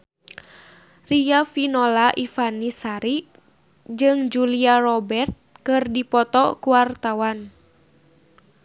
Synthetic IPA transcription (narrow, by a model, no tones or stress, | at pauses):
riafinɔlaʔifanisaɾi | d͡ʒɨŋd͡ʒuliarɔbɛrt̪̚kɨrdipɔt̪ɔkuwart̪awan